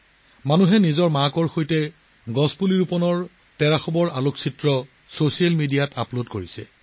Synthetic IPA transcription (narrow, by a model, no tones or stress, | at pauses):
manuɦɛnizɔɹmakɔɹxojtɛ | ɡɔspuliɹupɔnɔɹ | tɛɹaxɔbɔɹaloksʰitɹɔ | sosialmidijatʰaplodkoɹisɛ